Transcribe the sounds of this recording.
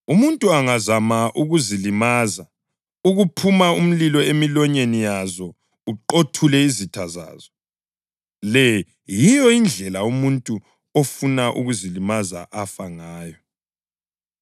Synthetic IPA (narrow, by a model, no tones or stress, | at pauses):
umuntʼuaŋazamaʔuɣuzilimaːza | uɣupʰumaum̩lilɔemilɔɲenijazɔ | uǃotʰulɛizitʰaza̰ːzɔ | lɛ | jijɔind͡ɮʱɛlaumuntʼu | ofunaʔṵɣuzilimaza̰ʔafaŋaːjɔ